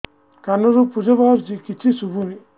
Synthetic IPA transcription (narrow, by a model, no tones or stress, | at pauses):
kanɔɾupud͡ʒɔbaɔɾzikit͡ʃʰisubumi